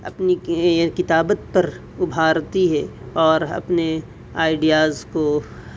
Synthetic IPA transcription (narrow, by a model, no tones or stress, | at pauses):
ɐ̰pnikɪt̪aːbət̪̚pɐɾ | ʊbʱaːɾt̪iɦɛɔːɾɐ̰pne | aːɪɖijaːzko